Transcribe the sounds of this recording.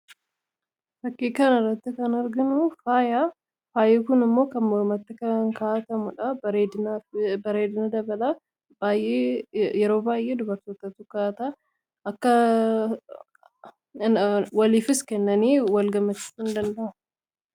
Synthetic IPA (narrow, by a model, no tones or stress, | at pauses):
fɐkːiːkɐnɪrːɐt̪ːɪkɐnɐɾɡɪnʊfaːjaː | faːjeːkʊnɪmːo̞ːkɐnmɔɾmɐt̪ːɪkɐnaŋkaːt̪ɐmʊᶑɐeːɪbɐɾeːd̪ɪnɐd̪ɐbɐlɐ | b̥aːjʔeːjɛɾo̞ːbaːjʔe̞ːd̪ʊbɐɾt̪oːt̪ɐt̪ʊkaːt̪a | ɐkːɐ | wɐliːfɪskɛnːɐniːwɐlɡɐmɐt͡ʃ̪ːɪ̥ɪnd̪ɐnd̪ɐʔɐmʊ